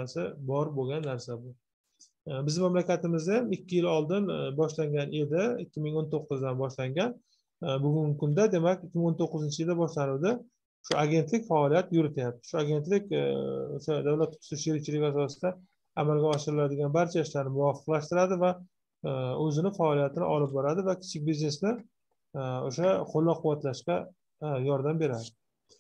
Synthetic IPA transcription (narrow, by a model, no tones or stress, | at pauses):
sɪbɒɾboɡʲanːaɾsabʊ | bɪzd̪ɪmamlakʲat̪ɪmɪzd̪amɪkʲʰːɪjɪlɒlˠd̪ɪnbɒʃlaŋɡʲanʔe̞d̪ɪɪkʲːɪmɪŋont̪ʰoqːɨzd̪anbɒʃlaŋɡʲan | bʊɡʊŋɡʲɪkʰʊnd̪ad̪e̞makʲɪkʲːɪmɪŋont̪ʰoqːɨzɪnt͡ʃʰɪjɪld̪abɒʃlanɪwd̪ɪ | ʃʊaɡʲe̞nt̪lɪkʲfaɒlijat̪jʊɾɪt̪ʰajap̚t̪ɪ̥ʃʊaɡʲe̞nt̪lɪkʲo̰ʃad̪awlat̪ʰːʊ̥sɪʃeɾɪk̚ʲt͡ʃʰɪlɪkʲasɒsɪd̪a | amalɡʲaɒʃɪɾɪlad̪ɪɡʲanbaɾt͡ʃʰaɪʃlaɾnɪmʊwɒfɨ̥qlaʃt̪ɪɾad̪ɪva | ɵzɪnɪfaɒlijat̪ʰɪnɪ̰ʔɒlɪp̚bɒɾad̪ɪvakʲʰɪ̥t͡ʃʰɪk̚ʲbizne̞snɪ | oʃaqʰolːɒqʰːʊwːat̪laʃkʲa | jɒɾd̪ambe̞ɾad̪ɪ